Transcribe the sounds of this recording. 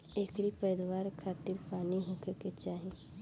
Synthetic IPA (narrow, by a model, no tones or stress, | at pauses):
eːkɾipəɾɪd̪waːɾkʰaːt̪ɪɾpaːniɦʊ̃keket͡ʃaːɦẽ